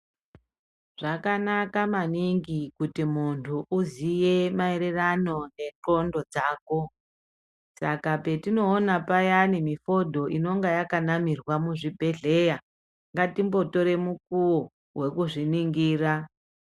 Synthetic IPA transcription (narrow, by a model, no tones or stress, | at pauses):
ʐ̥akanakamaniŋɡikutimuntʰuʔuzije̞maeɾerano̞ne̞ǃo̞ndo̞d͡zaːko̞ | sa̰kape̞tino̞ːnapajanimifo̞dʱo̞ʔino̞ŋɡajakanamirwamuʐibʱe̞ɮe̞ja | ŋɡatimbo̞to̞ɾe̞muk̚uwo | we̞kuʐiniŋɡiːra